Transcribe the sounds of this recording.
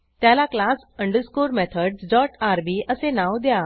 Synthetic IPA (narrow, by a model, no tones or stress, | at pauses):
t̪jãlaklaːs | ə̃ɳɖəɾskuːɾmɛːt̪ʰəɖzɖɔːʈaːɾbiəsenãːwd̪ejaː